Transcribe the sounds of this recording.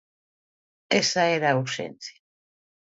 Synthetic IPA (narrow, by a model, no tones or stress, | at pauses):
esaeɾauɾʃḛnθja